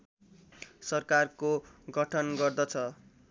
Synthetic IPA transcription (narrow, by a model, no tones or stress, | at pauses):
sʌrkarkoɡʌʈʰʌnɡʌrd̪ʌt͡sʰʌ